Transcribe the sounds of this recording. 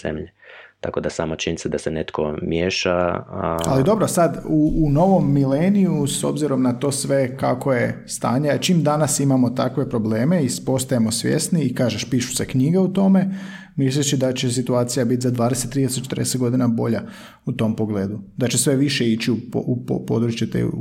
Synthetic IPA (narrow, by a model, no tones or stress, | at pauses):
z̥ḛmʎet̪ako̞d̪asaːmat͡ʃinisad̪asenet̪kʰo̰mjeʃa̰ | a̰lid̪o̞bɾosad̪uːno̞ʋo̞mːilenijuso̞̰bziɾo̞mnat̪o̞ːsʋe̞kako̞je̞st̪a̰ːɲeat͡ʃimd̪anasimamo̞t̪akʋe̞pɾo̞ble̞ːme̞ispo̞st̪ajemo̞sʋje̞̰st̪niːkaːʒeʃpiʃu̥se̞kɲiɡeut̪o̞me̞ | mislit͡ʃid̪at͡ɕe̞s̬it̪uaːt̪sijabit̪ʲzad̪ʋaːd̪ese̞t̪ːɾid̪eseo̥t͡ʃe̥t̪ɾd̪eset̪ɡo̞d̪inabo̞ʎa | ut̪o̞mpo̞ɡle̞ːd̪ud̪at͡ɕe̞sʋe̞ʋiʃe̞it͡ɕiupupopo̞d̪ɾut͡ʃjet̪ḛ